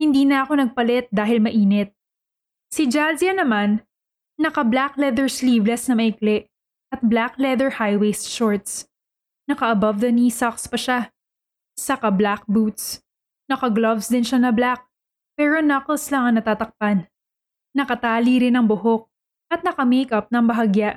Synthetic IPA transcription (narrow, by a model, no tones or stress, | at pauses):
hɪnd̪iːnɐʔɐko̞nɐɡ̚pɐlɛt̪̚d̪aːɦɪlmɐʔiːnɛt̪̚ | sɪd͡ʒalziɐnɐmanː | ɐkɐblaklɛd̪ɛɹsliːvlɛsnɐmɐʔɪklɛʔ | ʔɐt̪̚blaklɛd̪ɛɹhajwejst̪ʃoɹt̪s | nɐkɐʔɐbɐvd̪ɐniːsakspɐʃa | sɐkɐblak̚but̪s | nɐkɐɡlɐvsd̪ɪnʃanɐblak̚ | pɛːɾonɐklslaŋɐŋnɐt̪aːt̪ɐk̚panː | ɐkɐt̪aːliɾɪnɐŋbʊɦok̚ | ʔɐt̪̚nɐkɐmejkɐp̚nɐŋbɐɦaɡjaʔ